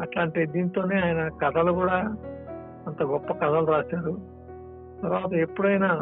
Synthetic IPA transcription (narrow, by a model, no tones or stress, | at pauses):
ɐʈlaːɳʈid̪iːnt̪o̞ːne̞ːaːjɐnɐkɐd̪ʰʱɐlukuːɽaː | ɐnt̪ɐɡɔpːɐkɐd̪ʱɐluɾaːʃaːɾu | t̪ɐɾʋaːt̪ɐe̞pːuɽɐjnaː